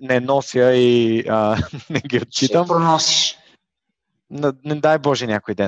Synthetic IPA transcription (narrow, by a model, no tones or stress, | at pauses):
nɛnɔsjəiənɛɡʲiot̪̚t͡ʃit̪əmpɾonɔsi̥ʃ | nɐnɛd̪ajbɔʒɛnʲakojd̪ɛ